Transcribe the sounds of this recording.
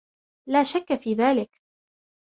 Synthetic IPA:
laːʃakːafiːðaːlɪk

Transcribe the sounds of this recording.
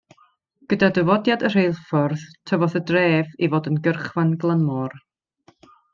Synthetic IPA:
ɡ̥ədadəvɔdjadər̥ejlˠfɔrθtʰəvɔðədreːvivoːdənɡərχvanɡlˠanmɔːr

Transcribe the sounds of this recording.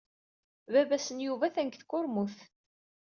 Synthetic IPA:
vævæsənjuvæθæŋkθkʊɾmʊθ

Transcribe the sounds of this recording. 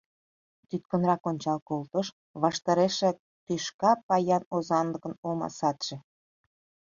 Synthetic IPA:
t̪yt̪̚kə̆nrɑkonʲt͡ɕɑlkolt̪əʃ | βɑʃt̪ɑɾeʃe | t̪yʃkɑpɑjɑnozɑnlə̆kə̆nomɑ̰sɑt̪ʒ̥ĕ

